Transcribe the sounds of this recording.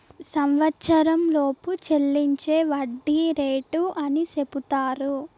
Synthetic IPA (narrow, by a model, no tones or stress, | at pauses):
sɐmʋɐtːʃɐɾɐmloːput͡ʃelːiɲt͡ʃe̞ːʋɐɖːiːɾeːʈuʔɐnise̞put̪aːɾu